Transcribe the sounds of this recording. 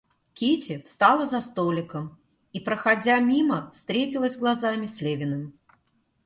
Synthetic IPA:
kʲitʲɪfst̪alˠəzɐst̪olʲɪkəm | ipɾəxad͡zʲamʲiməfst̪ɾʲetʲɪlˠəzʲɡlˠazamʲɪsʲlʲevʲɪnɨm

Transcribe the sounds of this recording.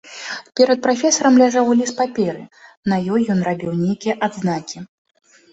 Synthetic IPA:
pʲɛɾɐt̪̚pɾafʲɛsɐɾɐmlʲaʐawlʲispapʲɛɾɨ | nɐjɔjːɔnrabʲiwnʲejkʲijɐʔad̪znakʲi

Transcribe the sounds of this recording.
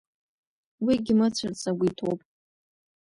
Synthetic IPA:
wiɡʲɪmɨt͡ɕʷʰɨrt͡sʰʼaɡʷitʰo̰wpʼ

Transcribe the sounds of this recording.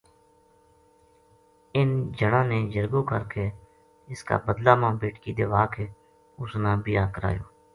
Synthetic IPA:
ɪnd͡ʒəɽãːneːd͡ʒəɾɡoːkəɾkeː | ɪska̰ːbəd̪laːmãːbeːʈkiːd̪eːʋaːkeː | ʊsnãːbijaːkəɾa̰ːjo̰ː

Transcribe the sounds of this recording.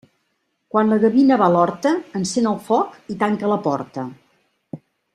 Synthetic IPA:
kwanləɣəβinəβalɔɾt̪əːnsenəlˠfɔkit̪aŋkələpɔɾt̪ə

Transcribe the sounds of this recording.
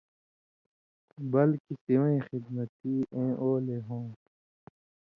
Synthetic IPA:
bɐlkisiwĩːxid̪mɐt̪iːʔẽːʔoːleɦõː

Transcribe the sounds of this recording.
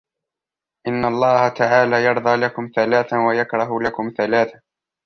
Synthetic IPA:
ʔɪnːalˤːɑːhat̪aʕaːlaːjɑɾˤd̪ˤɑːlakʊmθalaːθawajakɾˤɑɦʊlakʊmθalaːθa

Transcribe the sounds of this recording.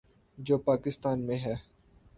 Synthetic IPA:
d͡ʒoːpaːkɪst̪aːnmẽɦɛː

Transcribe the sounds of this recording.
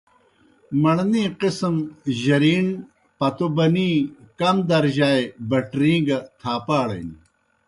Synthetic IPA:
mɐɭnĩːqismʑɐɾiːn | pɐt̪obɐnĩːkɐmd̪ɐɾʑaːebɐʈɾĩːŋɡɐt̪ʰaːpaːɽɐ̰in

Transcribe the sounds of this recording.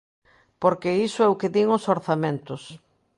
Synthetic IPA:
poɾkeisʊɛʊkɪðiŋosoɾθamẽnt̪ʊs

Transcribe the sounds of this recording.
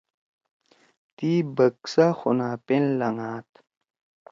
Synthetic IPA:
t̪iːbɐksaxunaːpenlɐŋaːt̪

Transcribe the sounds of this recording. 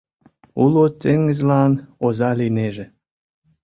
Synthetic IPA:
ulot̪ːeŋɡə̆zlɑnozɑlineʒĕ

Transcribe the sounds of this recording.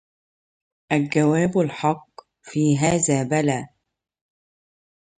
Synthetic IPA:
ʔalɡawaːbalħɑqː | fiːɦaːðaːbalaː

